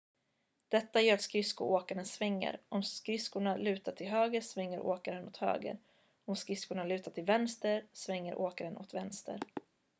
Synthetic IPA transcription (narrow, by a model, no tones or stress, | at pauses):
d̪̥ɛt̪ːajœːɾat̪skɾɪskʊʔoːkaɾənsvɛŋːə̰ɾʔɔmskɾɪskʊɳalʉ̟ːt̪aʈʰɪlɦøːɡəɾsvɛŋːəɾʔo̰ːkaɾənʊt̪hø̰ːɡə̰ɾ | ɔmskɾɪskʊɳalʉ̟ːt̪aʈʰɪlvɛnst̪əɾsvɛŋːəɾʔoːkaɾənʔɔ̰t̪vɛnst̪ə̰ɾ